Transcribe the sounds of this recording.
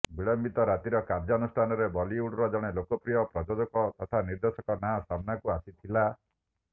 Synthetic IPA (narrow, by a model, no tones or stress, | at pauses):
biɭɔmbit̪ɔɾat̪iɾɔkaɾd͡ʒɔnusʈʰanɔɾebɔliuɽɾɔd͡ʒɔɽ̃elokɔpɾijɔpɾɔd͡ʒɔd͡ʒɔkɔt̪ɔt̪ʰaniɾd̪esɔkɔnasamnakuasit̪ʰila